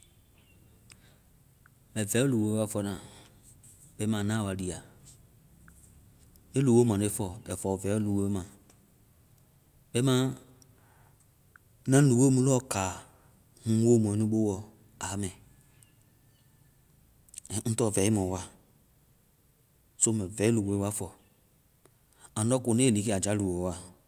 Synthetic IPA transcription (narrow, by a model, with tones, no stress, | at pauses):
bɛ̃˨vɛ˨˦lu˨o˧˦wa˧˨fɔ˧˦nã˨ | ɓɛ˨i˦mãː˨˦nã˦˨wa˧di˨a˨ | ẽ˦lu˨wo˦mã˨le˦fɔ˨bɛ˨fɔ˨vɛ˨˦lu˨wo˧˦mã˨ | ɓɛ˧˦mã˦ | nã˦lu˨wo˦mũ˧˦lɔ˦˨kaː˨ | hũ˦woː˦mɔ̃˨˦nĩ˦ɓo˦wɔ˨ | a˨˦mɛ̃˨ | ŋ̩˦tɔ˦˨vɛ˨˦i˦mɔ̃˨wa˦˨ | so˧˦mɛ̃˨vɛ˨˦i˦lu˨wo˧˦wa˦fɔ˨ | ã˨n˦dɔ˦ko˨nẽ˦li˨˦ke˦a˨d͡ʒa˨˦lu˨wo˨˦wa˦˨